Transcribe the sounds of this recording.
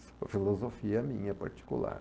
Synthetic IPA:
sɐfilˠuzofiɐmĩɲɐpɐ̰ɾt̪i̥kulˠa̰ɾ

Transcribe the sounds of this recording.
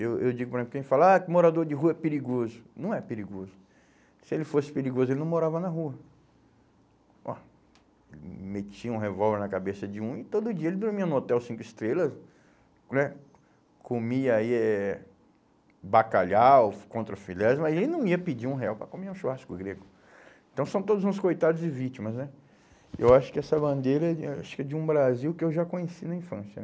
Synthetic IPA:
ewewd͡ʒiɡʊpoɾezẽplkẽɪfalakɪmoɾad̪oɾd͡ʒɪɦuɐɛpeɾiɡozʊnɐ̃w̃ɛpeɾiɡozʊ | sɪelɪfosɪ̥peɾiɡozʊelɪnɐ̃w̃moɾavɐnɐɦuɐ | ɔ̰ | elɪmet͡ʃiɐũɦevɔlveɾnɐkabesɐd͡ʒɪũɪt̪od̪ʊʊd͡ʒiɐelɪb̪ɾomĩɐ̃not̪ɛwsĩŋkʊist̪ɾelɐs | nɛ | komiɐaiɛ | bakaʎawkõnt̪ɾɐfilɛzmɐzelɪnɐ̃w̃iɐpid͡ʒiũɦeawpɾɐkomeũʃuaskʊɡɾeɡʊ | ẽt̪ɐ̃w̃sɐ̃w̃t̪od̪ʊzũskojt̪ad̪ʊzd͡ʒɪvit͡ʃimɐznɛ | ḛwaʃʊ̥kɪɛsɐbɐ̃nd̪eɾɐɛaʃʊ̥kɛd͡ʒɪũbɾaziwkɪewʒakõɲesinɐĩfɐ̃sjɐ̰

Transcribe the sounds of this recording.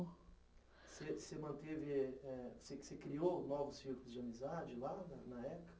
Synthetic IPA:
sesɪmɐ̃nt̪evɪɛseksekɾionɔvʊsfiklʊzd͡ʒɪɐmizad͡ʒɪlanɐnɐɛpʊkɐ̥

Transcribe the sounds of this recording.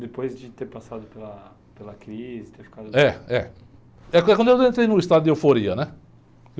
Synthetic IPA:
d̪epojzd͡ʒɪt̪eɾpasad̪ʊpelɐ | pelɐkɾizɪt̪eɾfi̥kad̪ʊɛɛ | ɛkwɐ̃kwɐ̃nd̪ʊewẽnt̪ɾejnʊist̪ad̪ʊd̪ɪewfoɾiɐnɛ | k

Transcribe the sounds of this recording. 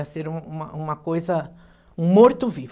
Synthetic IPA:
ɐseɾũũmɐʔũmɐkojzɐ | ũmoɾt̪ʊviv

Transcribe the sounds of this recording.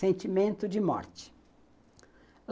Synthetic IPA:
ẽnt͡ʃimẽnt̪ʊd͡ʒɪmɔ̰ɾt͡ʃɪ̥

